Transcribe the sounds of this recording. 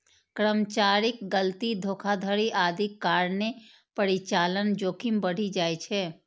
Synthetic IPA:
kɾəmt͡ʃaːɾɪkɡəlt̪id̪ʱoːkʰad̪ʱəɾiʔaːd̪ʱɪkːaːɾne | pəɾit͡ʃaːlənd͡ʒoːkʰɪmbəɽ̤id͡ʒaːjt͡ʃʰɛː

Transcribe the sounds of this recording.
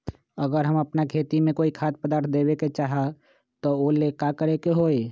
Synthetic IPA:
əɡəɾɦəməpnakʰeːt̪imẽkoːikʰaːt̪̚pəd̪aːɾt̪ʰd̪eːweket͡ʃaːɦa | t̪oolekakəɾekeɦoːe

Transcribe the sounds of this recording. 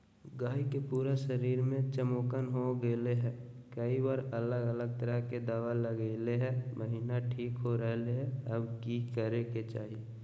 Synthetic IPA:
ɡaːikepuːɾaʃəɾiːɾmẽt͡ʃəmoːkənɦoɡeːleɦɛ̃ː | kəibaːɾələɡələɡ̚t̪əɾəɦked̪aːʋaləɡeːleɦɛ̃mʔəɦiːnaʈʰiːkɦoɾəɦleɦɛ̃əbkikəɾeket͡ʃaːɦi

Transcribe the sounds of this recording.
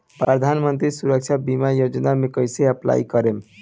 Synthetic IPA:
pɾəd̪ʱanmənt̪ɾisuɾək̚t͡ʃʰabimajod͡ʒnamekəjseəpla̰ikəɾem

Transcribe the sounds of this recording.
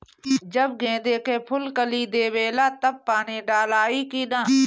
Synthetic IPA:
d͡ʒəb̚ɡẽːd̪eːkeːpʰʊlkəliːd̪eːʋeːlaːt̪əb̚paːniːɖaːlaːiːkiːnãː

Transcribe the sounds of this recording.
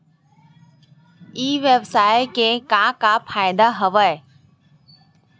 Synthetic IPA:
iːʋebsaːekekãkapʰaːjd̪aɦɐʋəe

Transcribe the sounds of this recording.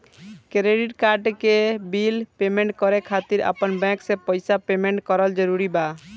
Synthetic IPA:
kɾeɖiʈkaɾɖkebilpemẽɳʈkɔɾekʰat̪iɾa̰pənbɛ̃ksepɔjsapemeɳʈkɔɾəld͡ʒɔɾuɾiba

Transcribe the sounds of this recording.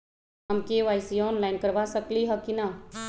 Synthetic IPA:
əmkeʋajsiɔnlaɪnkəɾbasəkliɦəkina

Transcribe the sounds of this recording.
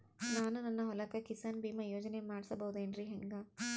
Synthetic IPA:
naːnunɐnːɐɦɔlɐkɐkisɐnbiːmɐjoːd͡ʒɐnemaːɽsɐbɐɦud̪eːnɾiɦeŋɡɐ

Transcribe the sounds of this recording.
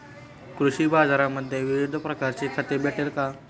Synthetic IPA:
kɾuɕiːbad͡zaɾaməd̪ʱːjeʋiʋid̪ʱəpɾəkaɾt͡ɕekʰət̪ebeʈʰelka

